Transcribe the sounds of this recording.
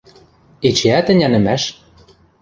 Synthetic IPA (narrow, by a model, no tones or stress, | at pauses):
et͡ɕeæt̪ɘ̆nʲænɘ̆mæʃ